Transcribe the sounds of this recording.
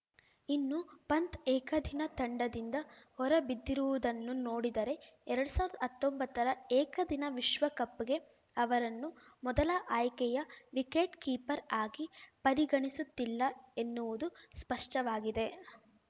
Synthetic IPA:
inːupɐnt̪ɛːkɐd̪ʱinɐt̪ɐɳɖɐd̪ind̪ɐhɔɾɐbid̪ːiɾuʋud̪ɐnːunoːɽid̪ɐɾe̞ɛɾɐɽusaːʋɾɐd̪ɐɦɐt̪ːombɐt̪ːɐɾɐɛːkɐd̪ʱinɐʋiʃʋɐkɐpːɡe̞ | ɐʋɐɾɐnːumɔd̪ɐlɐʔaːjkɛjɐʋikeːʈkiːpɐɾaːɡipɐɾiɡɐɳisut̪ːilːɐe̞nːuʋud̪uspɐʂʈɐʋaːɡid̪e̞

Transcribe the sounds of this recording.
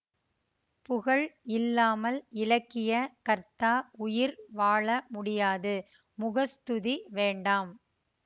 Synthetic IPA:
pʊɣɐɭɪlːaːmɐlɪlɐkːɪjɐkɐɾt̪aːʊjɪɾʋaːɭɐmʊɽɪjaːðɯ | mʊɣɐst̪ʊðiʋeːɳɖaːm

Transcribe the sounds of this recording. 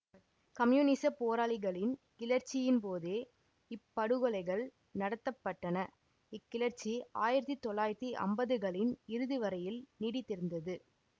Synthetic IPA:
kɐmjuːnɪsɐpoːɾaːɭɪɣɐɭɪnkɪlɐɾt͡ʃːɪjɪnpoːðeː | ɪpːɐɽɯɣɐɭɐɪɣɐɭ | nɐɽɐt̪ːɐpːɐʈːɐnɐ | ɪkːɪlɐɾt͡ʃːiaːjɪɾɐt̪ːit̪ːɔɭːaːjɪɾɐt̪ːiʔɐ̰mbɐðɯɣɐɭɪnɪɾɯðɯʋɐɾɐjɪlniːɽɪt̪ːɪɾɯnd̪ɐðɯ

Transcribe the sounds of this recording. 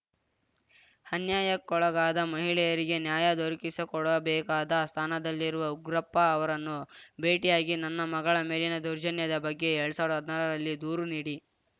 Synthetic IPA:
hɐnjaːjɐkːɔɭɐɡaːd̪ɐmɐɦiɭɛjɐɾiɡe̞njaːjɐd̪oɾikisɐkɔɽɐbɛːkaːd̪ɐst̪ʰaːnɐd̪ɐlːiɾuʋɐuɡɾɐpːɐːʋɐɾɐnːube̞ːʈijaːɡinɐnːɐmɐɡɐɭɐmeːlinɐd̪uɾd͡ʒɐnjɐd̪ɐbɐɡːe̞eɭɐsaːʋɾɦɐd̪nɐɾɐɾɐlːid̪uːɾuniːɽi

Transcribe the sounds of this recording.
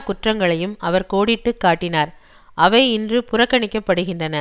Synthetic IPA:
kʊʈrɐŋɡɐɭɐjɯmɐʋɐɾkoːɽɪʈːɯkːaːʈːɪnaːɾ | ʔɐʋɐɪɪndrɯpʊrɐkːɐɳɪkːɐpːɐɽɯɣɪndrɐnɐ

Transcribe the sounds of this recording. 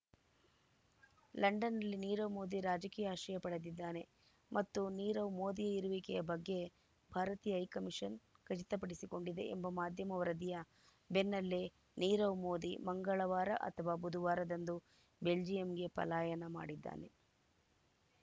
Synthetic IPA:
lɐɳɖɐnːɐlːiniːɾɐʋmoːd̪iɾaːd͡ʒɐkiːjaaːʃɐjɐpɐɽɐd̪id̪ːaːne̞ | mʔɐt̪ːuniːɾɐʋmoːd̪ijɐiɾuʋikɛjɐbɐɡːe̞ | bʱaːɾɐt̪iːjɐɐjkɐmiʂɐnkɐt͡ʃit̪ɐpɐɽisiko̞ɳɖid̪e̞̰ʔembɐmaːd̪ʱjɐmɐʋɐɾɐd̪ijɐ | be̞nːɐlːe | niːɾɐʋmoːd̪imɐŋɡɐɭɐʋaːɾɐ̰ʔɐ̰t̪ʰɐʋaːbud̪ʱuʋaːɾɐd̪ɐnd̪u | be̞ld͡ʒijɐmɡe̞pɐ̰laːjɐnɐma̰ːɽid̪ːa̰ːne̞

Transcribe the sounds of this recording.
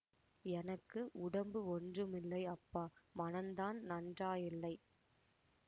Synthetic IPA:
ɛnɐkːɯʔʊɽɐmbɯɔndrɯmɪlːɐɪɐpːaːmɐnɐnd̪aːnnɐndraːjɪlːɐɪ

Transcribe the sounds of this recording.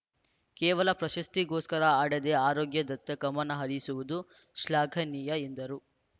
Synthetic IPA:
kɛːʋɐlɐpɾɐʃɐst̪iɡoːskɐɾɐaːɽed̪eːaːɾoːɡjɐd̪ɐt̪ːɐkɐmɐnːɐɦɐɾisuʋud̪u | ʃlaːɡʰʱɐniːjɐend̪ɐɾu

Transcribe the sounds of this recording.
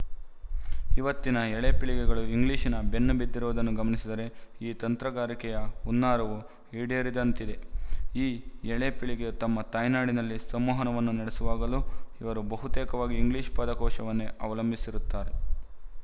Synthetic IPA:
iʋɐt̪ːinɐɛɭepiɭiɡɛɡɐɭuiŋɡliːʃinɐbe̞nːubid̪ːiɾuʋd̪ɐnːuɡɐmɐnisid̪ɐɾe̞iːt̪ɐnt̪ɾɐɡaːɾikɛjɐunːaːɾɐʋu | iːɽijɐɾid̪ɐnt̪id̪e̞iːɛɭepiɭiɡejut̪ɐmːɐt̪ɐːjnaːɽinɐlːisɐmːɔːɦɐnɐʋɐnːunɐɽesuʋaːɡɐluiʋɐɾubɐɦut̪ɛːkɐʋaːɡiːŋɡliːʃpɐd̪ɐkɔːʃɐʋɐnːeʔɐʋɐlɐmbʱisiɾut̪ːaːɾe̞

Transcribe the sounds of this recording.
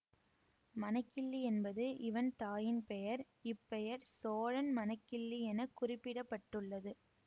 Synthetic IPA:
mɐnɐkːɪɭːiɛnbɐðɯʔɪʋɐnt̪aːjɪnpɛjɐɾ | ɪpːɛjɐɾsoːɻɐnmɐnɐkːɪɭːiɛnɐkːʊrɪpːɪɽɐpːɐʈːɯɭːɐðɯ

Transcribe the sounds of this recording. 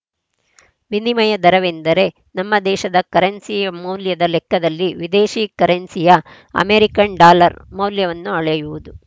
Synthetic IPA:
ʋinimɐjɐd̪ɐɾɐʋend̪ɐɾe̞ | nɐmːɐd̪ɛːʃɐd̪ɐkɐɾɐnsijɐmɐwljɐd̪ɐlɛkːɐd̪ɐlːiʋid̪eːʃiːkɐɾensijɐ | ɐ̰meɾikɐɳɖaːlɐɾmɐwljɐʋɐnːuɐɭɐjuʋud̪u

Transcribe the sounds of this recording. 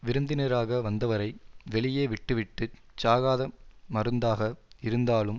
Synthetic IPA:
ʋɪɾɯnd̪ɪnɐɾaːɣɐʋɐnd̪ɐʋɐɾɐɪʋɛɭɪjeːʋɪʈːɯʋɪʈːɯ | t͡ʃːaːɣaːðɐmɐɾɯnd̪aːɣɐɪɾɯnd̪aːlɯm

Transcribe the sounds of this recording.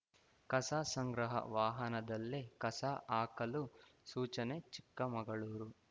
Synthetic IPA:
kɐsaːsɐŋɡɾɐɦɐ̰ʋaːɦɐnɐd̪ɐlːekɐsaʔaːkɐlusuːt͡ʃɐnet͡ʃikːɐmɐɡɐɭuːɾu

